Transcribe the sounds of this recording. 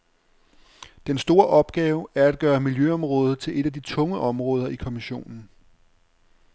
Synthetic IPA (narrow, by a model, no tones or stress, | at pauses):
d̥ensd̥o̝ːɐʔɒ̽b̥ɡ̥ɛːʊæɐæd̥̚ɡ̥ɶːɐmiljøɒ̽mʁɔ̽ːð̞̩ˠt͡sʰe̝lʔe̝d̥æd̥it͡sʰɔ̽ŋəʔɒ̽mʁɔ̽ːð̞ˠɐikʰomiɕo̝̰ːnn̩